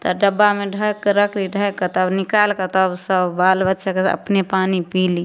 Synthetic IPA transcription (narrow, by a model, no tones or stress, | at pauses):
t̪əɖəbːameɖʱəkɾəkʰliɖʱəjkət̪abnikalkət̪ɔbsəbbalbətːʃʰakeə̰pnepaːnipili